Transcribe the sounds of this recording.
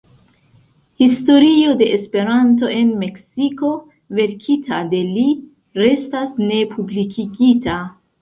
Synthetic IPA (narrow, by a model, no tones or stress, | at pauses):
histo̞ɾio̞de̞ʔespe̞ɾanto̞e̞nme̞ksiko̞ | ve̞ɾkʰitʰade̞li | ɾe̞stasne̞pʰublikʰiɡita